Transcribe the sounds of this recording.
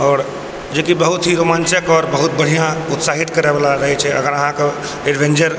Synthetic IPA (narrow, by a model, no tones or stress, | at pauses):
ɔːɾ | d͡ʒekibəɦʊt̪ɦiɾomaːnt͡ʃəkɔːɾbəɦʊt̪̚bəɽ̤ijãʊt̪saɦit̪kəɾebalaɾəɦɛt͡ʃʰɛə̰ɡəɾəɦãke | eɖʋẽnd͡ʒəɾ